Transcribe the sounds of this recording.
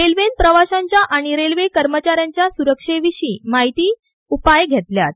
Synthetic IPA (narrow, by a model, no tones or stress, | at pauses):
ɾelʋenpɾəʋaɕãɲt͡ɕjaʔaɽ̃iɾelʋekəɾmət͡ɕaɾjaɲt͡ɕjasuɾəkʂeʋiɕiːmaɦit̪iː | upajɡʱet̪lja̰t̪̚